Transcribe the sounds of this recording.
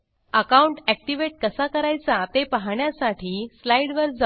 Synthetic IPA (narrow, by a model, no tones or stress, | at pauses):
əkauɳʈæk̚ʈiʋeʈ̚kəsakəɾajt͡sat̪epaɦɳjasaʈʰiːslajɽʋəɾd͡z